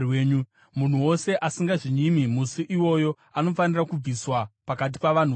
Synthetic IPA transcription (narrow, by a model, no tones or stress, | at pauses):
weːɲu | mun̤uwo̞se̞ʔasiŋɡaʐiɲimimusiʔiwo̞jo̞ | ano̞fanirakub͡viswapakat̬i̥paʋan̤u